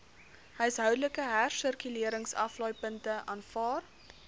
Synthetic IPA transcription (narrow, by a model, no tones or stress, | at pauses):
ɦəjsɦœwdələkəɦærsərkyliəɾəŋsɐ̰flɔjpəntəʔɑːnfɑːr